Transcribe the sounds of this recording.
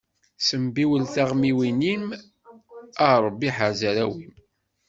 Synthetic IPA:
səmbiwəlθaʁmiwinim | əʁɾˤbːiħaʕzəɾæwim

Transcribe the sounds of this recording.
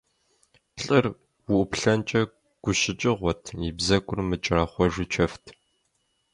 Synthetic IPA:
ɬʼɨr | wʊʔʊpɬɐnt͡ʃʼɐ | ɡ̥ʷʊɕɪt͡ʃʼɪʁʷɔtʰibzɐkʷʼʊrmɨt͡ʃʼɪraːχʷɔʒɪt͡ʃʰɐftʰ

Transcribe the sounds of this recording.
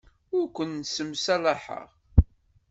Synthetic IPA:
ʊɾkʷənːsəmsælaħə̰ʁ

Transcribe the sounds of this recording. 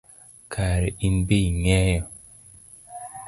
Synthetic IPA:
kʰaɾeinbeiŋɛjɔ

